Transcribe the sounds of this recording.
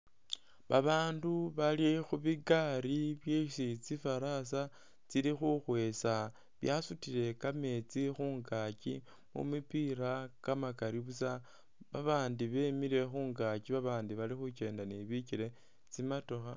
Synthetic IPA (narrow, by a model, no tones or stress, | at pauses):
βaβaːnduβalixuβiɡaɾiβjesit͡sifaɾasa | t͡silixuxwe̞sa | βjasutiɾe̞kame̞t͡sixuːŋɡakḭ | mṵmipiɾakamakaɾiβusa | βaβaːndiβe̞miɾe̞xuːŋɡaciβaβaːndiβalixut͡ʃe̞ːndaniβiciɾe̞ | t͡simatoxa